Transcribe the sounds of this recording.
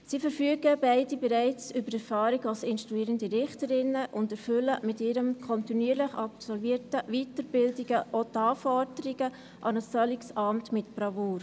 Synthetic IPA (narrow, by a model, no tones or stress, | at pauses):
siːfəɾfyəɡəbɛɪdibɛɾæɪt͡sʏbəɾɛɾfɑːɾiɡɑlsɪnʃtɾuiːɾəndiɾɪχtəɾɪnːəʔʊndɛɾfʏləmɪtɪːɾəmkʰɔntinyəɾlɪχɑpsɔlviːətəʋitəɾb̥ɪldiɡ̥əʔotɑːfɔɾdəɾiɡə | ʔɑnəsfœliksɑmtmɪtb̥ɾɑvoːɾ